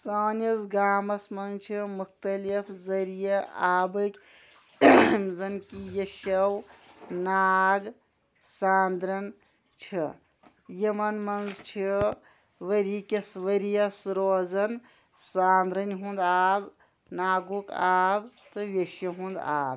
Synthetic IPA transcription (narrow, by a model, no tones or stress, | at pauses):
saːnjɐsɡaːmɐsmɐnt͡ʃʰimuk̚t̪ɐlipʰzɐɾijɐaːbɐk | mzɐnkijɐʃɐwnaːɡ | saːnd̪ɾɐn | t͡ʃʰi | jɐmɐnmɐnzt͡ʃʰi | ʋəɾikɐsʋɐɾijɐsɾoːzɐn | saːnd̪ɾɐnɦũnd̪aːb | naːɡukaːbt̪ɨʋʲeʃjɐɦũnd̪a̰ːb